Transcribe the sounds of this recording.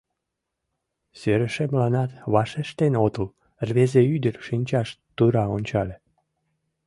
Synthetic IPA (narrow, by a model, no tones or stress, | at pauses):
søɾəʃemlɑnɑt̪βɑʃeʃt̪enot̪əl | rβezeyd̪ərʃinʲt͡ɕɑʃt̪ːuɾɑonʲt͡ɕɑlʲe